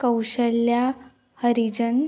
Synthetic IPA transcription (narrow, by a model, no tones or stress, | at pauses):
kəwɕəlja | həɾid͡ʑən